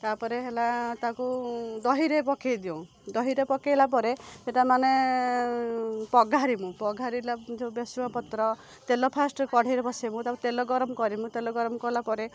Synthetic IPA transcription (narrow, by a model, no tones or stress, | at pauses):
t̪apɔɾeɦelat̪akud̪ɔɦiɾepɔkʰejd̪iow̃ | d̪ɔɦiɾepɔkejlap̬ɔɾeseʈamane | pɔɡʱaɾimũpɔɡʱaɾilad͡ʒebesuwapɔt̪ɾɔ | t̪elɔpʰasʈkɔɽ̤ʱiɾebɔsimũt̪apɔɾet̪elɔɡɔɾɔmɔkɔɾimũt̪elɔɡɔɾɔmkɔɾlapɔɾe